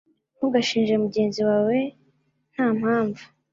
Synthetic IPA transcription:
muɡaʃiːnʒemuɟe̞ːnziwaːwe̞ | n̥haːm̥haːɱvu

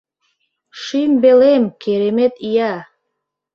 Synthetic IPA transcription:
ʃimbelemkeɾemet̪ija

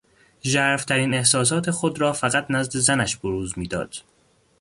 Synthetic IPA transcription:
ʒæːɾft̪ʰæɾiːne̞hsɒːs̬ɒːt̪ʰe̞xod̪ɾɒːfæɣæt̪ʰnæzd̪e̞zænæʃboɾuːzmiːd̪ɒ̰ːd̪̥

